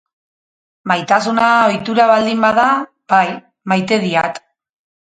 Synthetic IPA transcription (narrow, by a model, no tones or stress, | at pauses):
majt̪asunao̞jt̪uɾaβald̪imbaða | baj | majt̪e̞ðiat̪